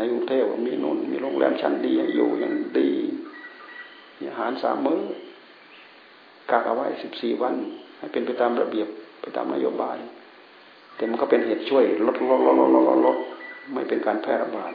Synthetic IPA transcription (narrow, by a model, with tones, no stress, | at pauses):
na˧˩u˧t̪ʰɛː˧˩˨wka˧miː˧˨nṵː˧˥˨nmiː˧˥˨lo˧˥˨ŋlʔɛ̰ː˧˥˨mt͡ɕʰa˧˥˨ndiː˨ɲa˧ŋjṵː˧˩ɲa˧˥˨ŋdiː˧˩ | ɲi˧˨haː˨˦nsa̰ː˨˧˦mːɤː˧˨ | kaː˧˩k̚ʔa˧wa˧˥˨jsi˧˦p̚siː˨˩wa˧˥˨nha˧˩˨jpe˨npa˨˦jt̪aː˨mɾa˧bi˨əpːa˨jt̪a̰ː˨mna̰˧joː˧˨baː˨˧˨j | t̪ɛː˧˩ma˧˨nkɔ˧˩pe˨nɦe˨˧˩t̪̚t͡ɕʰu˧˥˩əjlo˧˦t̪̚lo˧t̚lo˧lo˧˨lo˧˨lo̰˧lo˧˥t̪̚ma˧˩˨jpe˨nkaː˨npʰɛː˧˩˨ɾa˧baː˨˩t̪̚